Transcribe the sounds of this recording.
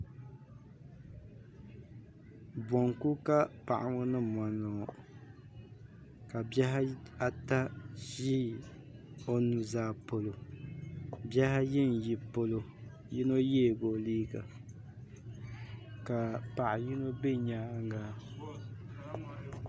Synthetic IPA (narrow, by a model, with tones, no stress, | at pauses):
bɔ˨ŋku˦ka˦pa˨ʔa˨ŋo˦nɨ˦ma˨nːɔ˨ | ka˨bjɛ˦ɦa˦a˦˨ta˦ʒi˦ | o˦nu˨zaː˨po˨lo˨ | bɛ˦ha˦jɪ˦n˨ji˨po˨lo˨ | ji˦no˦jeː˦˨ɡo˨liː˦ɡa˨ | ka˨pa˨ʔa˨ji˦no˦be˦ɲaː˦ŋɡa˦